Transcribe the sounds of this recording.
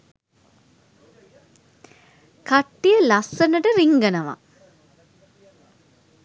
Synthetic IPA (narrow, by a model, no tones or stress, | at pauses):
kaʈːijəlasːənəʈəɾiŋɡənəʋa̰